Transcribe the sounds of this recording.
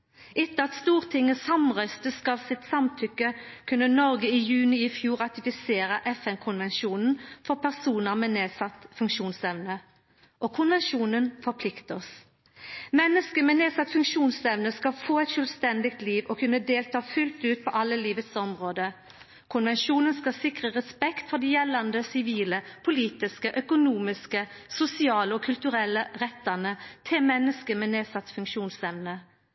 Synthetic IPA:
ʔɪt̪ːəɑt̪st̪uːʁt̪ʰɪŋːəsɑmʁœst̪əskɑlsɪt̪sɑmt̪ʰʏkːəkʰʉnːənɔʁɡəiːjʉːnɪɪfjuːʁɑt̪ɪfɪseːʁəʔɛfɛnkʰʊnʋɛnʃuːnn̩fɔʁpʰæʁsuːnəʁmɛːneːsɑt̪ːfʉŋkʂuːnsɛʋnə | ʔɔkʰʊnʋɛnʂuːnənfɔʁpʰlɪkt̪əɔs | mɛnːəskəmɛːneːsɑt̪ːfʉŋkʂuːnsɛʋnəskɑlfoːɛt̪ʃœlʋst̪ɛnd̪ɪk̚t̪liːʋɔkʰʉnːəd̪eːlt̪ʰɑːfʉlt̪ʉːt̪̚pʰɔʔɑlːəliːʋət̪sɔmʁoːd̪ə | kʰʊnʋɛnʂuːnənskɑsɪkʁəʁɛspɛkt̪fɔʁd̪iːjɛlːɑnd̪əsɪʋiːləpʰʊliːt̪ɪskəʔœkʊnuːmɪskəsʊsɪɑːləɔkʰʉlt̪ʉɾɛlːəʁɛt̪ːɑnət̪ʰɪlmɛnːəskəmɛːneːsɑt̪ːfʉŋkʃuːnsɛʋnə

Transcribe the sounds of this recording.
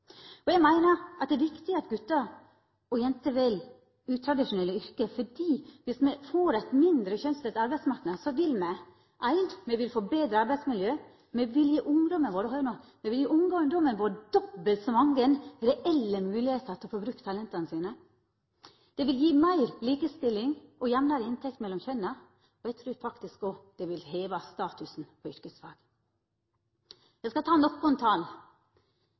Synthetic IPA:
ɔjɛɡmæɪnəɾʔɑt̪̚d̪ɛːɾʋɪkt̪ɪɑt̪ɡʉt̪ːɑɾ | ɔjɛnt̪əʋɛl | ʉːt̪ʰɾɑd̪ɪʂʊnɛlːəʏɾkəfɔɖiːʋɪsmɛfoːɾæɪt̪mɪnd̪ɾəçœnst̪ɛt̪ɑɾbæɪd̪smɑɾknəd̪sɔʋɪlmɛ | ʔæɪnd̪mɛʋɪlfoːbeːd̪ɾəɑɾbæɪsmɪljøː | mɛʋɪljiːʔʊŋd̪ɔmənʋoːɾəhɑːʊnomɛʋɪljiːʔʊŋd̪ɔŋd̪ɔmənʋoːɾd̪ɔbəlt̪sɔmɑŋɡənɾɛʔɛlːəmʉːlɪheːt̪əɾt̪ɪɔfobɾʉkːt̪ʰɑlɛnt̪ɑnəsiːnə | d̪̥ɛʋɪljiːmæɪɾliːkəst̪ɪlːɪŋʔɔjɛʋnɑɾəɪnt̪ʰɛk̚t̪mɛlːɔmçœnːɑ | ɔjæɪt̪ʰɾʉːɾfɑkt̪ɪskɔd̪̥ɛʋɪlheːʋɑst̪ɑːt̪ʉsn̩pʰɔʏɾkəsfɑːɡ̥ | jæɪskɑt̪ʰɑːnɔkːʊnt̪ʰɑːl

